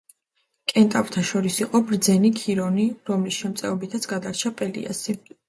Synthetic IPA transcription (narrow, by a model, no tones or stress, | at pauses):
kʼɛnt̪ʼavt̪ʰaʃɔɾisiqʼɔbɾd̪zɛnikʰiɾɔniɾɔmlisʃɛmt̪sʼɛɔbit̪ʰat̪sʰɡad̪aɾt͡ʃʰapʼɛlḭa̰si